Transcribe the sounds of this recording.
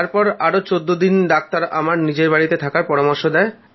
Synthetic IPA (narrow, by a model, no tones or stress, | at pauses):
aɾpɔɾaɾot͡ɕod̪ːod̪ind̪ak̚t̪aɾa̰maɾnid͡ʑeɾbaɽit̪et̪ʰakaɾpɔɾamoɾʃod̪ɛe